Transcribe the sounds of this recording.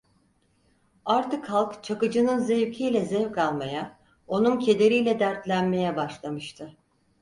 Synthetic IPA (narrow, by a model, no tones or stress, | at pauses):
aɾt̪ɯkhalˠkt͡ʃʰakɯd͡ʒɯnɯnzejycʰijlʲɛzɛvkʰalˠmaja | o̞nuncʰe̞d̪e̞ɾijlʲɛd̪æɾt̪lʲænme̞jɛbaʃlˠamɯʃt̪ʰɯ